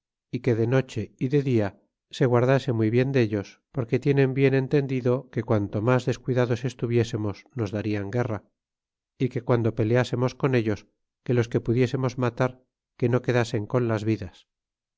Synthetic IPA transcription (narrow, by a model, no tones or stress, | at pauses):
ike̞ðe̞no̞t͡ʃe̞iðe̞ðia | se̞ɣwaɾðase̞mwijβje̞nd̪eʎo̞spo̞ɾke̞t̪je̞ne̞mbje̞ne̞nt̪e̞nd̪iðo̞ke̞kwant̪o̞mazðe̞skwiðaðo̞se̞st̪uβje̞se̞mo̞zno̞zðaɾiaŋɡe̞ra | ike̞kwand̪o̞pe̞lease̞mo̞sko̞ne̞ʎo̞s | ke̞lo̞ske̞puðje̞se̞mo̞zmat̪aɾ | ke̞no̞ke̞ðase̞ŋko̞nlazβiðas